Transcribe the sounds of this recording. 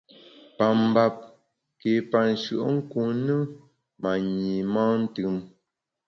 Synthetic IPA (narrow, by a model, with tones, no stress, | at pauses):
pa˨m̩˨ba˨p̚ | ke˨pa˨n̩˨ʃɰʔə˦ŋ̩˦ku˨nɨ˦ | ma˨ɲi˨mãː˦n̩˦tɨ˨m